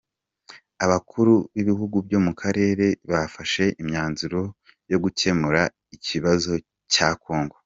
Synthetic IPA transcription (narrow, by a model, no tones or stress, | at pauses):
aβakʰuɾuβiβihuɡubjo̞mukʰaɾe̞ːɾe̞βafaʃe̞ʔimɲaːnzuɾo̞ | jo̞ɡuce̞muɾa | icʰiβazo̞ | caːkoːŋɡo